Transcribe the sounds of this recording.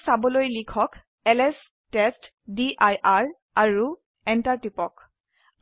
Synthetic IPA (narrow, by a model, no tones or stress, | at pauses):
sabɔlojlikʰɔk | ɛlɛs | tɛst | diʔajʔaɹ | aɹu | ɛntaɹtipɔk